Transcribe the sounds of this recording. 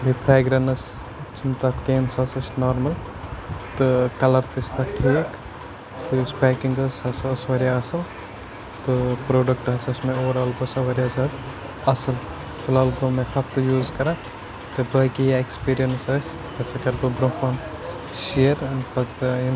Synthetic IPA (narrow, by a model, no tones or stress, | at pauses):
bipʰɾaːjɡɾɐnɐs | t͡ʃʰint̪at̪keːnsɐsɐsnoːɾmɐl | t̪ɨkɐlɐɾt̪ɨst̪ɐkʰeːk | t̪ɨuspaːkiŋɡɐsɐsɐsʋɐɾjaɐsɨl | t̪ɨpɾoːɖɐk̚ʈɦɐsɐsʲmẽoːɾɐːlbɐsaʋɐɾʲjazɐd̪ | ɐsɨl | sɐlaːlɡomẽk̪ʰɐp̚t̪ɨjuːzkɐɾãː | t̪ɨbɐːkijaekspiːɾijɐnsɐs | ɐsekɐɾbɨbɾõpɐːn | ʃejɐɾɐnpɐt̪in